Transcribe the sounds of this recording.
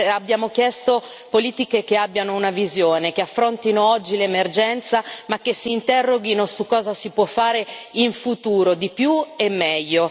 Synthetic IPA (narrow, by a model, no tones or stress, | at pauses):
abːjaːmok̟jɛst̪o | poliːt̪ikekeabːjanounavizjoːnekeafːɾont̪inoɔd͡ʒːilemerd͡ʒɛnt̪samakːesːiːnt̪ɛrːoɡinosukːɔːzasipwɔfːaːɾeiɱfut̪uːɾod̪ipjuemːɛʎːo